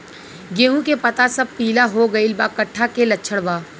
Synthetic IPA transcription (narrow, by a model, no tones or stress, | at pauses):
ɡeːɦũkepɐt̪asɐb̚piːlaɦoɡɐɪlbaːkɐʈʰːakelɐtːʃʰəɽbaː